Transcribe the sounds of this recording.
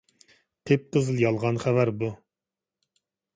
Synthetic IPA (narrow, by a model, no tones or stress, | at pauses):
qʰep̚qʰəzɨlˠjɑlˠʁɑnχævæɾbu